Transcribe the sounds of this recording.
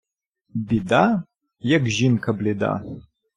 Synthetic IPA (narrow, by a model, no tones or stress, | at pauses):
bid̪a | jɐɡʒinkʰɐbled̪a̰